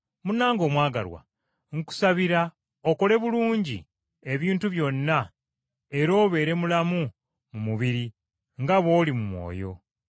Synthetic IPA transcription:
munːaːŋɡo̞ːmwaːɡa̰lwa̰ | ŋ̩ku̥saβiɾa | oko̞le̞βuluːɲɟḭ | e̞βiːntuβjo̞nːa | e̞ɾo̞ːβe̞ːɾe̞mulamu | mumuβiɾi | ŋɡaβo̞ːlimumwo̞̰ːjo̞̰

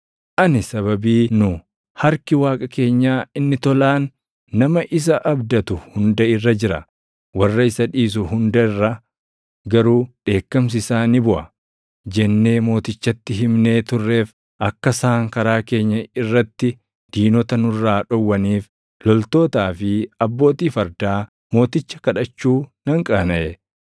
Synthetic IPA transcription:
ʔɐnɪsɐβɐbiːnʊ | hɐɾkɪwaːkʼɐke̞ːɲːaːɪnːɪt̪ɔlaːnː | ɐmɐʔɪs̬ɐʔɐbd̪ɐt̪ʊhʊnd̪ɐɪrːɐd͡ʒɪɾɐ̰ | wɐrːɐɪsɐᶑiːs̬ʊɦʊnd̪ɐɪrːɐ | ɡɐɾuːᶑe̞ːkːɐms̬ɪsaːnɪbʊʔɐ | d͡ʒɛnːe̞ːmo̞ːt̪ɪt͡ʃːɐt̪ːɪɦɪmne̞ːt̪ʊrːe̞ːf | ʔɐkːɐsaːŋkɐɾaːke̞ːɲːɐɪrːɐt̪ːɪ | d̪̥iːnɔt̪ɐnʊrːaːᶑɔwːɐniːf | lɔlt̪o̞ːt̪aːfɪɐbːo̞ːt̪iːfɐɾd̪aː | mo̞ːt̪ɪt͡ʃːɐ̥kɐᶑɐt͡ʃːuːnɐŋkʼɐnɐʔɛ

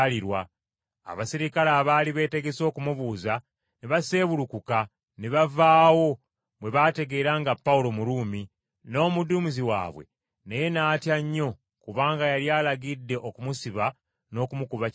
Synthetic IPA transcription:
liɾwa̰ː | βasiɾikalaːβaːliβe̞ːte̞ɡe̞so̞ːkumuβuːza | neβase̞ːβuɾukuka | neβavaːwo̞ | βwe̞βaːte̞ɡe̞ːɾaːŋɡapːawulo̞muɾuːmi | no̞ːmudumuziwa̰ːβwe̞̰ | neje̞naːtjaɲːo̞ | kuβaːŋɡajaljaːlaɡidːe̞ʔokumusiβa | no̞ːkumukuβa

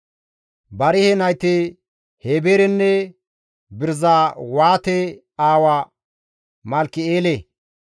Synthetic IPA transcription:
bɐɾɪhɛnɐjt̪e | heːbeːɾɛnːɛ | bɪɾzawaːt̪ɛ | aːwa | mɐlkːɪeːle

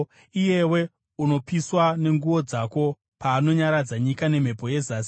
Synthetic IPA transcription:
ije̞we̞ | uno̞piswane̞ŋɡuʋo̞d͡zako̞ | paːno̞ɲaɾad͡zaɲikane̞m̤e̞po̞je̞zas

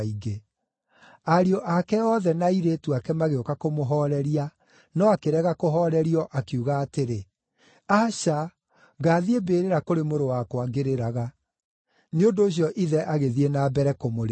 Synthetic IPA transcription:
iɡe | aɾiɔʔakɛɔðɛnaiɾeːtuakɛmaɣeokakomoɦɔɾɛɾia | nɔakeɾɛɣakoɦɔːɾɛɾiɔʔakiuɣaːteɾe | aɕa | ɣaːðiebeːɾeɾakoɾemoɾowakwaɡeɾeɾaɣa | neondoːɕ̬jɔʔiðɛʔaɣeðienabɛɾɛkomoɾe

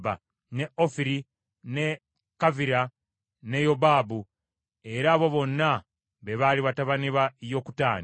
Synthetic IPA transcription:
ba̰ | ne̞ʔofiɾi | ne̞ | kaviɾa | ne̞jobaːbu | e̞ɾaːβo̞βo̞nːa | βe̞βaliβataβaniβajo̞ku̥taːni

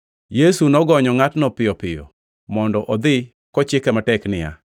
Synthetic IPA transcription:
jesunɔɡɔɲɔŋatnɔpɪjɔpɪjɔ̰ | mɔndɔʔɔd̪ɪ | kɔt͡ʃɪkɛmatɛknɪja̰

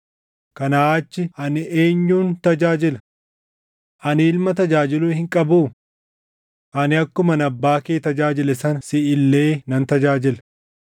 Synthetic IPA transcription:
kɐnaaːt͡ʃːɪʔɐnɪʔe̞ːɲːuːnt̪ɐd͡ʒaːd͡ʒɪlɐ | ʔɐnɪːlmɐt̪ɐd͡ʒaːd͡ʒɪluːhɪŋkʼɐbuː | ʔɐnɪɐkːʊmɐnɐbːaːkeːt̪ɐd͡ʒaːd͡ʒɪlɛsɐnsɪɪlːeːnɐnt̪ɐd͡ʒaːd͡ʒɪlɐ

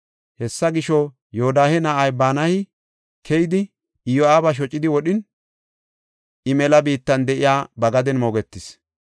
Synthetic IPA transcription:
hɛsːɐɡɪʃɔ | joɔd̪aːhɛnaːjbaːnɐhɪ | kʰɛjɪd̪ɪ | ɪjɔaːbɐʃ̬ɔt͡ʃʼːɪd̪ɪwɔɗɪn | ɪmɛlɐbiːt̪ːɐnd̪ɛʔɪjaːbɐɡɐd̪ɛnmoːɡɛt̪ːɪs

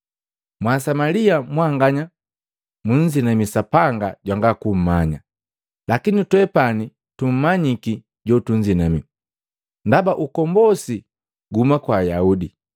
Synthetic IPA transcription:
mwasamaliamwaŋɡaɲa | muɲd͡ʒinamisapaŋɡa̰ɟwaŋɡakum̩maɲa | lakinitwɛpani | tum̩maɲiki | ɟɔtuɲd͡ʒinami | ndabaʔukɔmbɔsi | ɡumakwaːjaudi

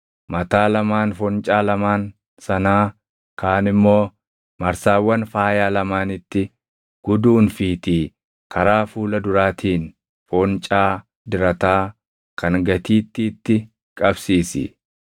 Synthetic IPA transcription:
mɐt̪aːlɐmaːnfɔnt͡ʃʼaːlɐmaːn | sɐnaː | kaːnɪmːo̞ː | mɐɾsaːwːɐnfaːjaːlɐmaːnɪt̪ːɪ | ɡ̥ʊd̪uːnfiːt̪iː | kʰɐɾaːfuːlɐd̪ʊɾaːt̪ʰiːn | fɔnt͡ʃʼaː | d̪ɪɾɐt̪aː | kʰɐŋɡɐt̪iːt̪ːɪːt̪ːɪ | kʼɐbsiːsɪ̰

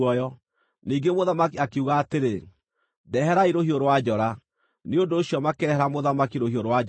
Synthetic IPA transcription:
ɔjɔ | niːɡemoðamakiakeuɣaːteɾe | dɛɦɛɾaiɾohioɾwad͡ʒɔɾa | neondoːɕjɔmakeɾɛɦɛɾamoðamakiɾohioɾwa

